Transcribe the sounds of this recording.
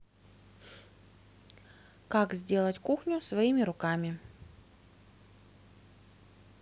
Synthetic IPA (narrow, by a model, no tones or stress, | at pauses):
kakzʲdʲe̞lˠətʲkuxnʲʊsvɐimʲɪɾʊkamʲɪ